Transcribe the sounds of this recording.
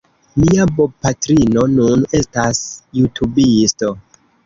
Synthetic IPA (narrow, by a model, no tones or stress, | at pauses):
miabopatɾino̞nune̞stasjutʰubisto̞